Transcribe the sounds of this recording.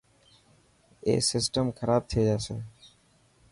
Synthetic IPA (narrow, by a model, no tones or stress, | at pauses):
ḛːsɪsʈəmkʰəɾaːb̚t̪ʰied͡ʒaːseː